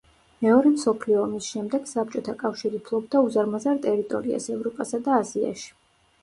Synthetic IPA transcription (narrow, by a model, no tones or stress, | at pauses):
mɛɔɾɛmsɔpʰliɔːmisʃɛmd̪ɛɡ̥sap̚t͡ʃʼɔt̪ʰakʼafʃiɾipʰlˠɔbd̪auzaɾmazaɾt̪ʼɛɾit̪ʼɔ̰ɾia̰sɛvɾɔpʼasad̪aːzia̰ʃi̥